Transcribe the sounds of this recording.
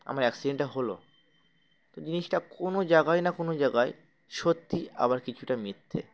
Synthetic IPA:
a̰maɾɛksiɖeɳʈaɦolo̰ | t̪od͡ʑiniʃʈakonod͡ʑaɡaenakonod͡ʑaɡae | ʃot̪ːia̰βaɾkit͡ɕʰuʈamit̪ʰːḛ

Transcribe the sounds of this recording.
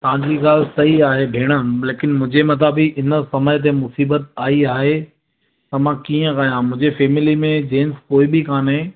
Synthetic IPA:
t̪ɐʋ̤ãɲd͡ʑiːɡaːlsɐiaːɦebʱeːɽ̃əleːkɪnmʊ̃ɦd͡ʑemɐt̪̬aːbiʔɪnə̆sɐmət̪̬emʊsiːbət̪̚aːiaːɦe | t̪ɐmãkiːə̃kajãmʊ̃d͡ʑefeːmɪlimẽd͡ʑeːnskoːibɪkʰaːnɦẽː

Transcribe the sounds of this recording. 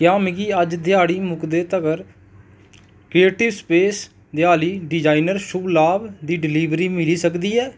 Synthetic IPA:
kjaːmɪɡiːəd͡ʒd̪ɪjaːɽiːmʊkd̪eːt̪əɡəɾ | kɾieːʈɪʋspeːs | d̪ɪaːliːɖɪd͡ʒaːinəɾʃʊblaːbd̪iːɖɪliːʋɾiːmɪliːsəkd̪iːɛː

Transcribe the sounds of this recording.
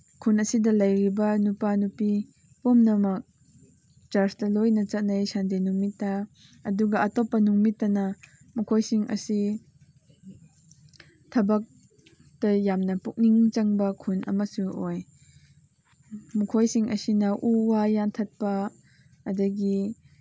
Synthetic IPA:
kʰunɐsidɐlɐjɾibɐnupanupi | pɔmnɐmɐk̚ | t͡ʃaɾstɐlojnɐt͡sɐtnajsandenuŋmitːɐ | ɐduɡɐʔɐtɔpːɐnuŋmitːɐnɐ | mukʰojsiŋʔɐ̰si | tʰɐbɐk̚ | d̥ɐjamnɐpuk̚niŋt͡ʃɐŋbɐkʰunʔɐ̰mɐsuoj | mukʰojsiŋʔɐ̰sinɐʔuwajantʰɐt̚pɐ | ɐdɐɡi

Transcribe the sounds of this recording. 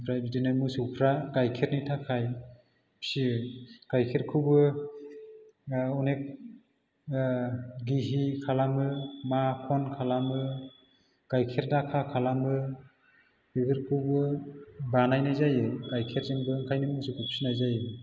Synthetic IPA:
pʰɾajbidinɯmɯsupʰɾakajkʰeɾnitʰakʰaj | psikajkʰeɾkʰɯbɯ | ɔnek̚ | ɡiɦikʰalamɯmakʰɔnkʰalamɯ | kajkʰeɾdakʰakʰalamɯ | biɡɯɾkʰɯbɯbanajnajzajɯkajkʰeɾzeŋbɯŋkʰajnɯmɯsukʰupsinajzajɯ

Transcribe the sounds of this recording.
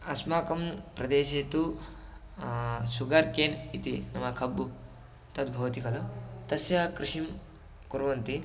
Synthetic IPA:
ɐsmaːkɐmpɾɐd̪eːʃeːt̪u | suɡɐɾkeːnit̪inɐmɐkʰɐbːu | t̪ɐt̪bʱɐʋɐt̪ikɐlɐt̪ɐsjɐkɾiʂim | kuɾʋɐnt̪i

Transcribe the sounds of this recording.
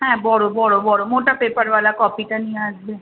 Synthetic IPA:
ɦɛ̃bɔɽobɔɽobɔɽomoʈapepəɾʋalakɔpit̪aniad͡ʒbe

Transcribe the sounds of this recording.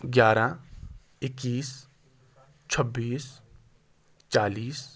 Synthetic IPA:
ɡʲjaːɾa | ɪkːiːs | t͡ʃʰəbːiːs | t͡ʃaːliːs

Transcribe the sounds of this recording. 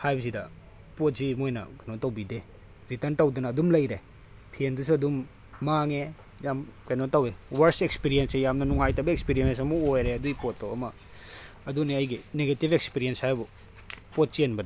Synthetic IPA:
hajbɐzidɐ | pot̚zimojnɐ̰kajnotɐwbide | ɾitɐɾntɐwdɐnɐːdumlɐjɾe | pʰiendus̬uɐdumː | aŋe | jamkajnotawewɐɾsekspiɾiensejamnɐnuŋajtɐbɐekspiɾijensɐmuojɾeɐduipotːawɐmɐː | duniɐjɡineɡetibekspiɾienshajbu | pot̚t͡ʃenbɐda

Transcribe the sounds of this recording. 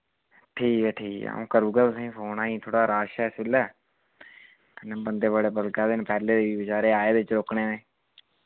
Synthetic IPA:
ʈʰiːkɛːʈʰiːka̰ːũːkəɾuːɡaːt̪ʊsĩːpʰoːnaːĩːt̪ʰoːɽaːɾaːʃɛːsɪlɛː | knːbənd̪eːbəɽeːbəlkaːd̪ɪnpɛːleːd̪eːʋiːbɪt͡ʃaːɾeːaːeːd̪eɪt͡ʃɾoːkɳeːnẽː

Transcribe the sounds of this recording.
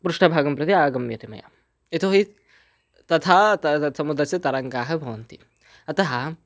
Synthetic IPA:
pɾuʂʈʰɐbʱaːɡɐmpɾɐt̪iaːɡɐmjɐt̪imɐ̰ja̰ː | et̪ʰoɦi | t̪ɐt̪ʰaːt̪sɐmud̪ɾɐsɐt̪ɐɾɐŋkaːɦɐbʱɐʋɐnt̪i | ɐt̪ɐɦɐ

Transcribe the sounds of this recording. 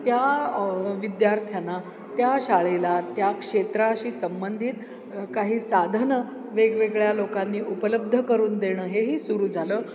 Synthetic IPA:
t̪ja | ʋid̪jaɾt̪ʰjana | t̪jaɕaɭelat̪jakʂet̪ɾaɕiːsəmbənd̪ʱiːt̪ | kaɦiːsad̪ʱənə | ʋeɡʋeɡɭjalokanːiːʔupələb̚d̪ʱəkəɾuːnd̪eɽ̃əːɦeɦiːsuɾuːd͡zʱaləː

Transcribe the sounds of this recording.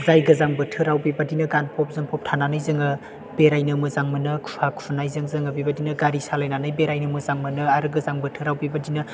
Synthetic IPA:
zajɡɯzaŋbɯtʰɯɾawbibadinɯɡanpʰɔp̚zɯŋpʰɔp̚tʰananajzɯŋɯ | b̥eɾajnɯmɯzaŋmɯnɯkʰu̥pʰakʰunajzɯŋzɯŋɯbibadinɯɡaɾisalajnanɯjbeɾajnɯmɯzaŋmɯnɯaɾɯɡɯzaŋbɯtʰɯɾawbibadinɯ

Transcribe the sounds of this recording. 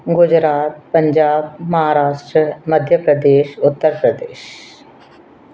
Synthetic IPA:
ɡʊd͡ʒɾaːt̪̚pɐ̃ɲd͡ʒaːbmɐɦaːɾaːʃʈɾəmɐd̪ʱjəpɾəd̪eːʃʊt̪ːəɾpɾəd̪eːʃ

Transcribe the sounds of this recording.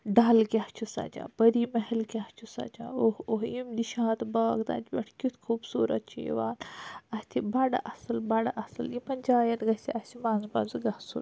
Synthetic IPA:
ɖaːlkʲaht͡ʃʰusa̰d͡ʒã̰ːbɐɾimɐɦelkʲaht͡ʃʰusɐ̰d͡ʒã̰ːohoɦimd̪iʃãːt̪baːɡt̪a̰ːt̪bɐʈʰkʲut̪ʰkʰuːbsuːɾɐ̰t̪̚t͡ʃʰijḭʋaːnɐst̪ʰibɐɖɐʔɐsɐlbɐɖaʔɐsɐlimɐnʲd͡ʒaːjɐnɡɐsiʔɐsimãːnzbɐzɨɡɐhsṵl

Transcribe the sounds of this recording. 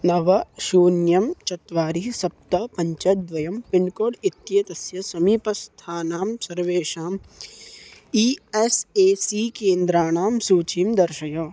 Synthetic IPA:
nɐʋɐʃuːnjɐmt͡ʃɐt̪ʋaːɾisɐp̚t̪ɐpɐ̃ɲt͡ʃɐd̪ʋɐjɐmpɪɳɖkoːɽɪt̪jet̪ɐsjɐsɐmiːpɐst̪ʰaːnaːmsɐɾʋeːʃaːm | iːeseːsiːkẽːnd̪ɾaːnaːmsuːt͡ʃimd̪ɐɾʃɐjoː

